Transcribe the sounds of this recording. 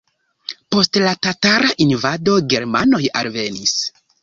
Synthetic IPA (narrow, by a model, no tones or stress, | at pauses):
po̞stlatataɾaʔinvado̞ɡe̞ɾmano̞ja̰lve̞nis